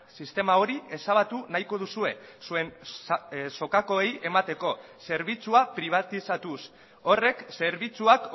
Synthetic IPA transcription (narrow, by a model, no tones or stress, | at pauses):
sist̪e̞mao̞ɾie̞saβat̪unajko̞ð̞usue̞sue̞n | so̞kako̞eje̞mat̪e̞ko̞se̞ɾβit͡suapɾiβ̞at̪isat̪us | o̞re̞kse̞ɾβit͡suak